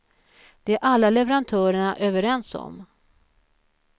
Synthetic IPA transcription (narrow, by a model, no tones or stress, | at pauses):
d̪̥ɛæɾʔalːalɛvɛɾant̪ʰœːɾəɳaʔøːvəɾɛnsɔ̰m